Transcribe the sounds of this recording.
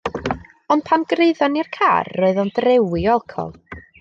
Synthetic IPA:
ɔnd̚pʰanɡreɨðɔnirkʰa̰ːrːoːɨðɔndrɛwɪɔlˠkʰɔ̰lˠ

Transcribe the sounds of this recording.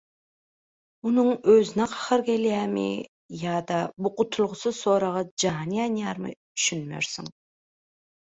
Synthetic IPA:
unʊŋøzɪnɛqʰɑ̥χəɾkʲelijæmḭ | jɑːd̪ɑbuqʊt̪ʰulˠʁʊsɨsoɾɑʁɑd͡ʒɑːnijɑnjɑɾmɨ̰ | y̥ʃynmø̰ɾsɪŋ

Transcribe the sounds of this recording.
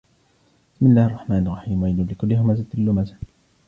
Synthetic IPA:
b̥ɪ̥smɪlːaːhɑrˤːɑħmaːnɑlˤrːɑħiːmwajɪnlɪkʊlːɪhʊmazat̪ɪlːʊmaza

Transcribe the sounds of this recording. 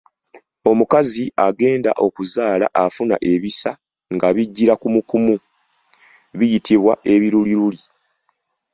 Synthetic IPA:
o̞mukaziʔaɡe̞ːnda̰ʔo̞kuzaːla̰ʔafuna̰ʔe̞βisa | ŋɡaβiɟːiɾakumukumu | βijitiβwaʔe̞βiɾuliɾuli

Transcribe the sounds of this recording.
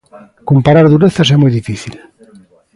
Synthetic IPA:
kompaɾaɾðuɾeθasɛmujðifiθil

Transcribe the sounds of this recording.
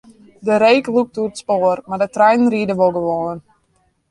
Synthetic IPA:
dəɾejkluk̚tuətspoərmardətrɛjnnridəʋolˠɡəʋoːən

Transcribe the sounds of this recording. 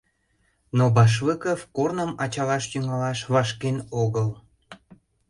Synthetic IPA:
nobɑʃ̬vəkəfkornəmɑt͡ɕɑlɑʃjyŋɑlɑʃβɑʃkenoɣəl

